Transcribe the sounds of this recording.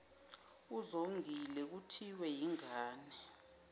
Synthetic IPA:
uzoŋilɛk̬utʰiwɛjiŋaːnɛ

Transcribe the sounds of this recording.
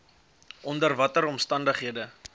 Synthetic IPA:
ʔɔndərvɐtəɾɔmstɐndəχɦiədə

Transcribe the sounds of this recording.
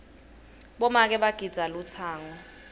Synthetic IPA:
ɓɔmak̬ɛɓaɡ̥ʱid̥z̥ʱalut͡sʰaːŋɔ

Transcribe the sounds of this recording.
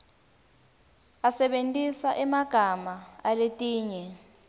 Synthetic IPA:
asɛɓentʼisaʔɛmaɡ̥ʱamaaletʼiːɲɛ

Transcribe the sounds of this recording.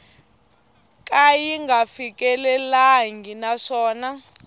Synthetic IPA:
k̬ʼajiŋɡafik̬ʼɛlɛlaŋɡinaʂɔːna

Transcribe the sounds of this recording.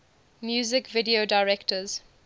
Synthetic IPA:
mjuːzɪkvɪdiodaɪɹɛktəz̥

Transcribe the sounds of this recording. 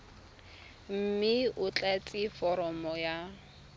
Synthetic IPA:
m̩mɪʊt͡ɬʼat͡sʼɪfɔɾɔmɔja

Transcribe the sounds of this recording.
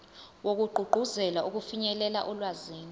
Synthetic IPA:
wok̬uɡ͡ǃʱuɡ͡ǃʱuzɛlaʔuk̬ufiɲɛlɛla̰ʔɔlwaziːni

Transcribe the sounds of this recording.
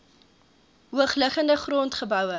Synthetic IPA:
ɦuəχləχəndəχroːntχəbœwə

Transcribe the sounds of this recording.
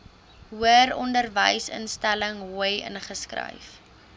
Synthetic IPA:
ɦuəɾɔndərvəjsə̰nstæləŋuəjə̰nχəskrə̰jf

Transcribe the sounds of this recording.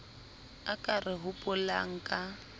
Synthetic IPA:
akʼarɪɦʊpʼʊla̰ŋ̩kʼa

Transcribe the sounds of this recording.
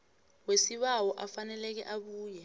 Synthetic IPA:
wesiɓawɔʔafanɛlɛk̬ɛ̰ʔaɓuːjɛ

